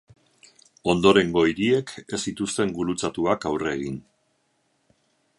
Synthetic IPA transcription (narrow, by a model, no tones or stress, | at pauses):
o̞nd̪o̞ɾe̞ŋɡo̞iɾie̞ke̞sit̪ust̪e̞ŋɡuɾut͡sat̪uakawre̞ɣ̞in